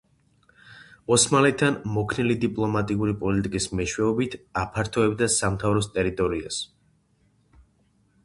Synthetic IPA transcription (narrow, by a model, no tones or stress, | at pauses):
ɔsmalɛt̪ʰːanmɔkʰnɛlid̪ipʼlˠɔmat̪ʼiuɾipʼɔlit̪ʼikʼismɛʃwɛɔbit̪ʰapʰaɾt̪ʰɔɛbd̪asamt̪ʰavɾɔst̪ʼɛɾit̪ʼɔɾia̰s